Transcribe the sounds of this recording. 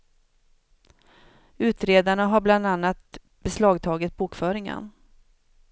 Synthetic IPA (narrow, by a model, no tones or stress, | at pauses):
ʉ̟ːt̪ɾeːd̪aɳaɦaɾbland̪anːat̪̚ | bɛslɑːɡt̪ʰɑːɡɪt̪̚buːkfœːɾɪŋə̰n